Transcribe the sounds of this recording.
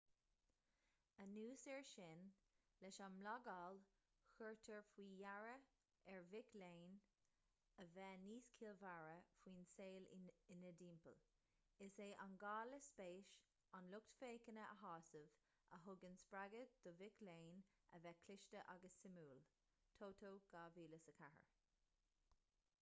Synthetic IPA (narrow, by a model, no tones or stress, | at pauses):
ənuːsɛɹʃɪn | lɛʃanmlɑɡɑːl | xʊɹt̪ʰəɹfwiːjaɹə | ɛɹvɪkleːn | əvɛːniːskʰiːlvaɹəfwiːnseːlɪnəd̪iːmpə̰l | ɪseːʔanɡɑːləspeːʃ | anlʊk̚t̪feːkənəəɦɑːsəv | əɦʊɡənspɹaɡəd̪̥ɔvɪkleːn | ə̰vɛkʰlɪʃtəʔaɡəsːɪmuːl | t̪ʰoːtʰoːɡ̥aːviːləsəkʰahə̰ɹ